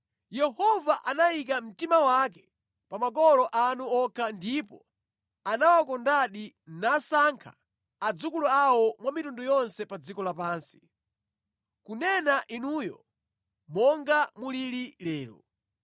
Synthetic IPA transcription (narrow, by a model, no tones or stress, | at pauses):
jɛhɔvaʔanajik̬am̩timawak̬ɛ̥ | pamak̬ɔlɔʔanuɔkʰandipɔ | anawakɔndaɗi | nasaŋkʰa | ad͡zukuluawɔmwamitundujɔnsɛpad͡zikɔlapaːnsi̥ | kunɛnaʔinuːjɔ̰ | mɔŋɡamuliɾilɛːɾṵ